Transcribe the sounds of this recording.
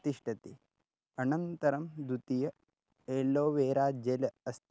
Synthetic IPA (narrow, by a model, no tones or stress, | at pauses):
t̪iʂʈʰɐt̪i | ɐnɐnt̪ɐɾɐmd̪ut̪ijɐ | eːlːoːʋeːɾaːd͡ʒelɐɐst̪ʰ